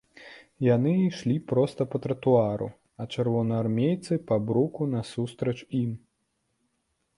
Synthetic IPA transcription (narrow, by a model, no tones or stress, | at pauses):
janɨʂlʲipɾɔst̪ɐpɐt̪ɾɐt̪uaɾṵ | ɐt͡ʂɛrvɔnɐarmʲejt̪sɨpɐbɾukunɐsust̪ɾɐt͡ʂim